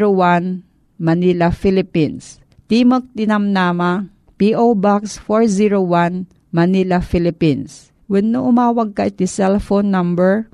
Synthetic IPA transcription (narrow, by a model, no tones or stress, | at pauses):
ɾowan | mɐnilɐfilɪpins | t̪iːmək̚t̪ɪnɐmnaːma | piʔobaksfoɹziɹowan | mɐnilafilɪpins | wɐdnːʊʔʊmaːwɐɡ̚kɐʔɪt̪isɛlfonːɐmbɛɹ